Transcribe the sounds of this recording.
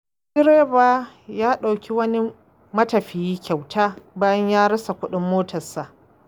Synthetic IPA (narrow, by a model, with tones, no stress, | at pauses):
sɪ˦ɾeː˦baː˦ | jaː˦ɗa˨wkʲi˦wɐ˦ni˦ | mɐ˦tɐ˨ɸi˨jiː˦kʲa˨wtʰaː˦baː˦jɐ˦ɲjaː˦ɾɐ˦sa˨kʷʊ˦ɗɪ˦mːoː˦tʰɐ˨sa˨ʔ